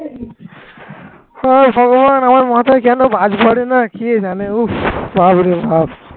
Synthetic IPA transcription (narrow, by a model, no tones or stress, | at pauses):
hɔbʱɔɡɔbanamaɾmɔɦat̪ɔkanobʱad͡ʒpɔɽinakied͡ʒaneupbabɾibab